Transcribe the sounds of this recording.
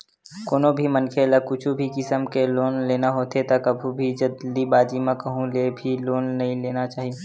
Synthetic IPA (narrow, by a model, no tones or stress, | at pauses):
koːnobʱimɐnkʰeləkʊt͡ʃʰubʱikɪsəmkeloːnleːnaɦoːt̪et̪ɐkɐbʱubʱid͡ʒɐd̪ibaːd͡ʒimãkɐɦũlebʱiloːnːɐɦĩleːnat͡ʃaːɦie